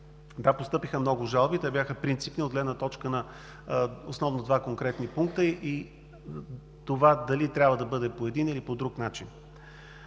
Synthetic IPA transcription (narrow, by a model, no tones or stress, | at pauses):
d̪apost̪ɤpixəmnɔɡʊʒalˠbit̪ɛbʲjaxəpɾint̪sipniod̪ɡlɛd̪nət̪ɔt͡ʃkənɐ | osnɔvnod̪vakoŋkɾɛt̪nipuŋkt̪əʔi | t̪ovad̪ɐlit̪ɾʲabvəd̪ɐbɤd̪ɛpoɛd̪inilipod̪ɾuknat͡ʃin